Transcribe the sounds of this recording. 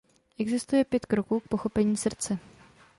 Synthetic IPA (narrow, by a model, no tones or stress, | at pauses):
ʔɛɡzɪst̪ujɛpjɛt̪kɾokuːk̚po̞xo̞pɛɲiːsr̩t͡sɛ